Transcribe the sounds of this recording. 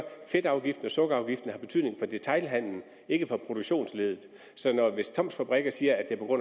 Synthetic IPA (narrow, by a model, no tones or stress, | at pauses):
fed̥ɑ̈ʊɡ̥ifd̥n̩ɒ̽sɔ̽ɡ̥əɑ̈ʊɡ̥ifd̥n̩əhɑ̈b̥e̝t͡sʰyðˠne̝ŋfɒ̽d̥e̝t͡sʰɑ̈ɪlɦæn̰ln̩ | e̝ɡ̥əfɒ̽pʰʁo̝d̥uɡ̥ɕo̝̰ːnsle̝ːðˠð̩ˠ | sɒ̽nɒʋe̝st͡sʰɒ̽m̰sfæb̥ʁɛɡ̥ɐsiːɐæd̥e̝ɐpʰɒ̝ɡ̥ɔ̽n̰